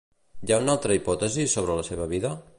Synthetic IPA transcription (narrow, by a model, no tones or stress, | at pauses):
jaunalˠt̪ɾəipɔt̪əzisoβ̞ɾələseβəβiðə